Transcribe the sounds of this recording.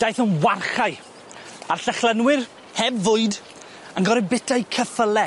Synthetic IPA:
d̥ajθənwarχaɨ | arɬəχlˠənwɪr | hɛbvʊɨd | anɡɔɾɪbɛtʰajkʰəfəlˠɛ

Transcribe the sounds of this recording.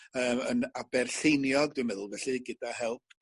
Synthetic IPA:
əːmənabɛrɬejnjɔɡ̚dwɨmɛðʊlˠvɛɬɨɡɪdahɛlˠp̚ʰ

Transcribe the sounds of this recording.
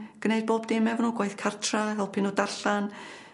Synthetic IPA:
ɡ̥nejd̚boːbdɪmɛvɔnuːɡwajθkʰartʰraɦɛlˠpʰɪnudaɬan

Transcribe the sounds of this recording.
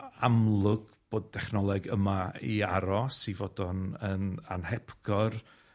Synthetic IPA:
amlˠʊɡ̥ | b̥oːd̚dɛχnɔlˠɛɡəmaḭaɾɔsivodɔnəna̰nhɛpʰɡ̥ɔr

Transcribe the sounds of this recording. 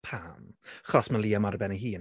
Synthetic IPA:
pʰamχɔsməlˠiːamaɾəbɛnəɦiːn

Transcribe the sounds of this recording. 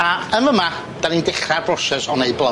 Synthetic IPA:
aəməma | d̥anindɪχrabrɔsɛsɔnejblˠə

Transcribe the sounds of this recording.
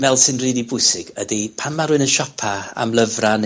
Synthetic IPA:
vɛlˠsɪnriːdibʊjsɪɡ̥ədipʰanmaɾuɨnənʃɔpʰaa̰mlˠəvran

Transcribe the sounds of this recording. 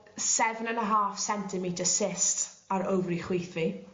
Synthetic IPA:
sɛvnənəɦaːfsɛntʰɪmitəsɪstaɾovriχwejθvi

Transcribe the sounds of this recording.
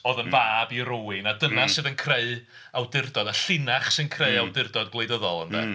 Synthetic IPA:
ɔðənvaːbiɾoːɪnadənasɨðənkʰreɨ | awdɪrdɔdaɬɪnaχsɨnkʰreɨawdɪrdɔd̚ɡlˠejdəðɔlˠə̰nðɛ̰

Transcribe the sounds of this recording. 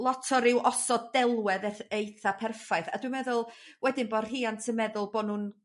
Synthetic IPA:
lˠɔtʰɔɾɪwʔɔsɔdɛlˠwɛðɛθejθapʰɛrfajθa̰dwɨmɛðʊlˠwɛdɪnbɔr̥hiːantʰəmɛðʊlˠbɔnun

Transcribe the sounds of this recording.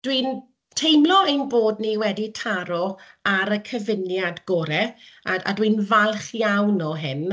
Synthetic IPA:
d̥wiːn | tʰejmlˠɔejnboːdniwɛditʰaɾɔ | aɾəkʰəvɪnjadɡ̥oːɾɛaa̰dwiːnvalˠχjawnɔɦɪn

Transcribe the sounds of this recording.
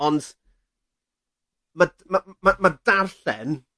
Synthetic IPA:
ɔnd | ma | mamamadarɬɛn

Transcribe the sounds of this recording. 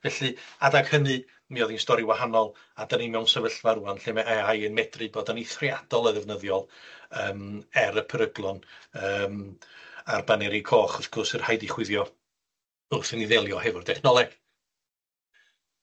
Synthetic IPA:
vɛɬɨadaɡ̥hənɨ | miɔðinstɔɾiwahanɔlˠ | adanimɛwnsɛvəɬvaɾuanɬemɛajənmɛdrɨboːdaniθriad̥ɔlˠəðɛvnəðjɔlˠəːmɛɾəpʰəɾəɡlˠɔnəːm | arbanɛɾikʰɔːχɔfkʰʊsɨrhajdiχwɪðjɔ | ʊθəniðɛlˠjɔhɛvʊrdʰɛχnɔlˠɛɡ̥

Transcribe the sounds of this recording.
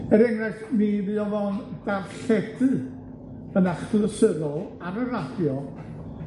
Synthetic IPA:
əɾɛŋraɬniðɨɔvɔnd̥arɬɛdɨ | ənaχb̥ləsəðɔlˠ | aɾərad̥jɔ

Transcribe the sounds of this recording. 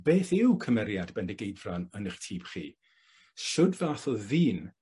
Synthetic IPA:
b̥eːθɪwkʰəmɛɾjadbɛndɛɡejdvranənəχtʰiːb̥χḭː | ʃʊdvaːθɔðiːn

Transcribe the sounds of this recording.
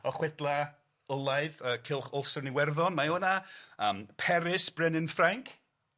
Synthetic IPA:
ɔχwɛdlˠa | əlˠajðəːkʰɪlˠχɔlˠsɔrniwɛrðɔnmajonaəːmpʰɛɾɪsb̥rɛnɪnfraŋkʰ

